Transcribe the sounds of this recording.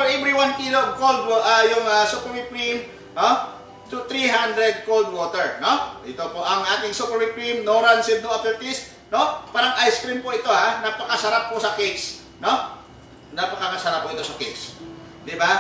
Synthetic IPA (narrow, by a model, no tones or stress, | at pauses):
fɛɾʔɛvɾiwankilokold̪̚wʔajʊŋɐsupɛɹɪpɹim | no | t̪ut̪ɾiɦand̪ɾɛd̪̚kold̪̚woːt̪ɛɹnoɪt̪opoʔɐŋʔaːt̪ɪŋsupɛɹɪpɹimnoɾansɪnd̪oʔɐt̪ɛɹt̪ɪst̪̚ | nopaːɾɐŋʔajskɾimpoɪt̪o̞hanɐpɐkɐsɐɾapːosɐkejs | no | nɐpɐkɐkɐsɐɾap̚ːoʔɪt̪o̞sɐkejs | d̪ɪba